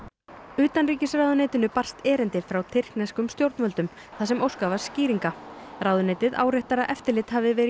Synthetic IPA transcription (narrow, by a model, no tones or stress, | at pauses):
ʏːt̪anriːcɪsrawðʏneːjt̪ɪnʏpar̥st̪ɛːɾɪnt̪ɪfɾawt̪ʰɪr̥knɛskʏmst̪jowɾt̪nmœlt̪ʏm | θaðsɛmowskavḁsciːɾiŋkaraːwðʏneːjt̪ɪða̰ːwɾeht̪aɾaʔɛft̪ɪɾlɪt̪havɪvɛːɾɪ